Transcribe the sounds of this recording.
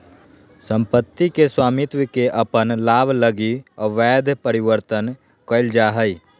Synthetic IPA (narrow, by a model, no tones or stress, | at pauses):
sə̃mpət̪ːikeswaːmɪt̪wkeʔəpənlaːbʱləɡiʋɛːd̪ʱpəɾɪwəɾt̪ən | kəɪld͡ʒaɦəi